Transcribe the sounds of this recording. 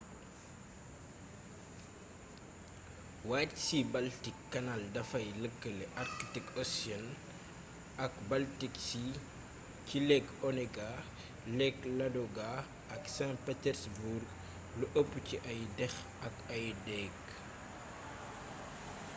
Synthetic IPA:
waːtsibaltikːɐnaldɐfɐjləkːəlɛʔartltikɔsjɔn | ɐkbaltiksi | cilɛkɔnɛɡa | lɛklɐdɔɡa | ɐksãnpɛtɛɾsburɡ | luʔəpːuciʔɐjdɛx | ɐkɐjdɛk

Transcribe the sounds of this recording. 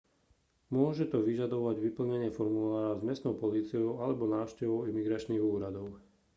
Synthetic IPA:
mʊɔʒɛt̪ɔʋiʒad̪ɔʋaɟʋipl̩ɲɛɲɪɛfɔɾmulaːɾazmɪɛst̪nɔʊpɔliːt͡siɔʊalɛbɔnaːʊʃcɛʋɔʊimiɡɾat͡ʃniːɣuːɾad̪ɔʊ

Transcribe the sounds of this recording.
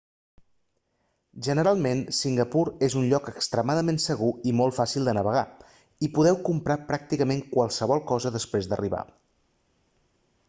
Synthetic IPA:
ʒənəɾalˠmensiŋɡəpuɾezunʎɔkəkst̪ɾəmaðəmensəɣ̞uimolˠfasilˠd̪ənəβ̞əɣa̰ | ipuðɛwkumpɾapɾak̚t̪ikəmeŋkwalˠsəβ̞ɔlˠkɔzəðəspɾezd̪ə̰riβ̞a̰

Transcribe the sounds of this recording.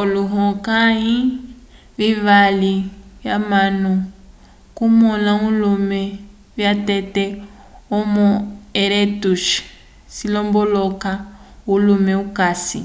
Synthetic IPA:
oluɦɔkaɦi | βivaliβjamanu | kumɔnaulumɛ | βjatɛtɛ | ɔmɔeɾetuʃ | silɔmbɔlɔkaulumɛukasḭ

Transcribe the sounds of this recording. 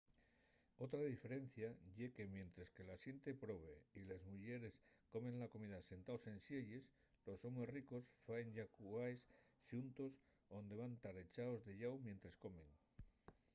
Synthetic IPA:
o̞t̪ɾaðife̞ɾe̞n̟θjaʝe̞ke̞mje̞nt̪ɾeske̞lasje̞nt̪e̞pɾo̞β̞e̞ilezmuʝe̞ɾe̞sko̞me̞nlako̞miðase̞nt̪aose̞nsje̞ʎes | lo̞so̞mesriko̞sfaenʝakuajsʃunt̪o̞s | o̞nd̪e̞βant̪aɾe̞t͡ʃaozðe̞ʎawmje̞nt̪ɾesko̞me̞ŋ

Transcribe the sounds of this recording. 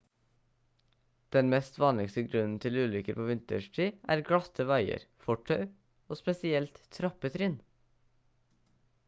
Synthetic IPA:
d̪̥ɛnmɛst̪ʋɑːnlɪkst̪əɡɾʉnn̩t̪ʰɪlʉːlʏkəɾpʰoːʋɪnt̪əʃʈʰiːʔæ̰ːɾɡɹɑt̪ʰəʋɑɪə̰ɾfɔʈʰœʏ | oːspɛsɪɛlt̪t̪ʰɾɑpət̪ʰɾɪːn

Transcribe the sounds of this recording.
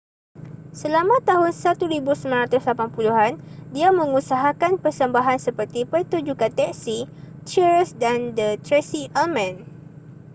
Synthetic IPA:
səlamãt̪aɦʊnsat̪uɾibusəmanɾat̪ʊslapanpuluɦandiamə̃ŋũsaɦakanpərsəmbaɦansəpərt̪ipərt̪ud͡ʒukat̪ɛk̚sit͡ʃiɹsdandət̪ɾɛsiʔamɛ̃n

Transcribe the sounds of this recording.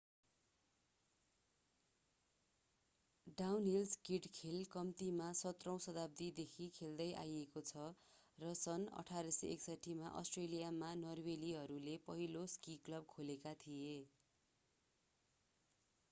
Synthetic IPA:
ɖawnɦilskiʈkʰelkʌmt̪imasʌt̪rʌ̃w̃sʌd̪ab̚t̪id̪ekʰikʰeld̪ʌjʔa̰jekot͡sʰʌrʌsʌnʌ̰ʈʰaɾiseḛksʌʈʰːimaʔʌ̰sʈrelijamanʌrweliɦʌɾulepʌɦiloskiklʌb̚kʰolekat̪ʰije

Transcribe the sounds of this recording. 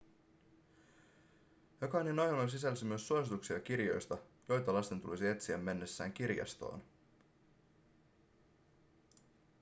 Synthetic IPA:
jokɑninːɑjonos̬isælːsimyøsːuosit̪uksiɑk̟irjo̞jst̪ɑjo̞jt̪ɑlɑst̪e̞nt̪ṵlisie̞t̪siæmːe̞nːe̞sːæ̰ːŋk̟irjɑ̰st̪o̰ːn

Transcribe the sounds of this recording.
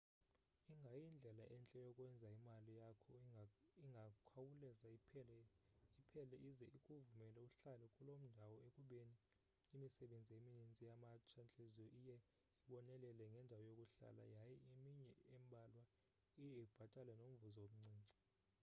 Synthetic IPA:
iŋɡʱajind͡ɮʱɛlaʔɛnt͡ɬʼɛjɔkʼwɛnd͡zʱaimalijakʰɔiŋʱakʰawulɛza | ipʰɛlɛʔizɛʔikʼuvumɛlɛuɬalɛkʼulom̩ndʱawɔekʼuɓeniː | misɛɓend͡zʱieminint͡sʼijamat͡ʃʰant͡ɬʼezɔʔijɛ | iɓɔnɛlɛlɛŋɡʱɛndʱawɔjokʼuɬa̰la̰jajɛimiɲɛɛmbʱalwa | ijɛikub̥ʱatʼalɛnom̩vuzoom̩ŋ͡ǀʱiːŋ͡ǀʱi̥

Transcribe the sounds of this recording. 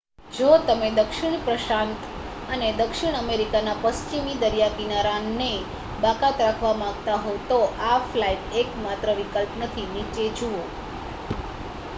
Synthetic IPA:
d͡ʒot̪əmed̪əkʃɪɳ̃pɾəʃant̪ | əned̪əkʃɪɽɳ̃əmeɾikanapəst͡ʃimid̪əɾjakinaɾanːe | bakat̪ɾakʰʋamãɡt̪aɦot̪oʔaflaiʈekmat̪ɾəʋikəlpnət̪ʰinit͡ʃed͡ʒuo

